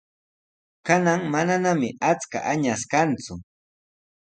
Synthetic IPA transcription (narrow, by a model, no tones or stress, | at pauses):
kanaŋmananamɪat͡ska̰ʔaɲaskant͡sʊ